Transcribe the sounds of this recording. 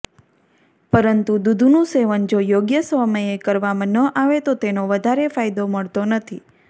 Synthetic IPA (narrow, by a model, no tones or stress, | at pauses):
pəɾənt̪ud̪ud̪ʱunũseʋənd͡ʒojoɡjəsʋəməjekəɾʋamãnəʔaʋet̪ot̪enoʋəd̪ʱaɾefajd̪oməɭt̪onət̪ʰi